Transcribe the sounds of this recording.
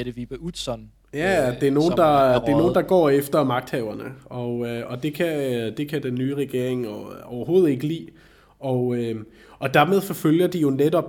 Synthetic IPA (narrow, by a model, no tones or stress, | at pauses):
ɾeʋib̥əud̥sɔn | jæd̥e̝æɐno̝ːn̩d̥ɑ̈de̝æɐno̝ːnd̥ɑ̈ɡ̥ɒ̰ːefd̥ɐmɑ̈ɡ̥d̥hɛʊɐnəɒ̽øɒ̽d̥e̝kʰæd̥e̝kʰæd̥enːyːʁɛɡ̥e̝ɐ̰e̝ŋɒʊɐɦo̝ːð̞̩ˠe̝ɡ̥əlḭː | ɒ̽ø | ɒ̽d̥æɐme̝ðˠfɒ̽føljɐd̥ijo̝ned̥ɒ̽b̥